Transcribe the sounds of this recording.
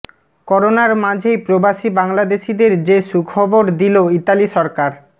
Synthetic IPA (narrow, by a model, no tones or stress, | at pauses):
kɔɾonaɾmãd͡ʑʱejpɾobaʃibaŋlad̪eʃid̪eɾd͡ʑeʃukʰɔboɾd̪iloit̪aliʃɔɾkaɾ